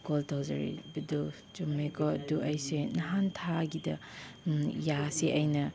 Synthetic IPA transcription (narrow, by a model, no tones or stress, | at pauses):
koltʰawzɐ̰ɾḭbidu | d͡ʒumekʰɔɐduʔɐjsenɐɦantʰaɡidɐ | jaseʔɐjnɐ